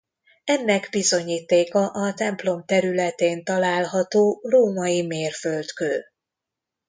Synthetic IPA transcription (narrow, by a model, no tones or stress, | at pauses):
ɛnːɛɡbizo̞ɲiːt̪eːkɒʔɒt̪ɛmplo̞mt̪ɛɾylɛt̪eːnt̪ɒlaːlɦɒt̪oːroːmɒjimeːrfølt̪køl